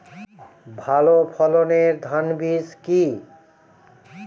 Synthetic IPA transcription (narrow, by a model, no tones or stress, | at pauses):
bʱalopʰɔloneɾd̪ʱanbiski